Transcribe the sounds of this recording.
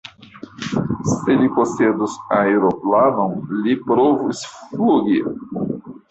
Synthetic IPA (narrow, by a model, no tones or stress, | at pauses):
selikosed̪usaeɾoplamɐ̃w̃lipɾovusfluɡi